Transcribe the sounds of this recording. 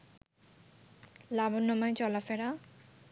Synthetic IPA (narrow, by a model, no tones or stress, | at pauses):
labonːɔmajt͡ɕɔlafɛɽa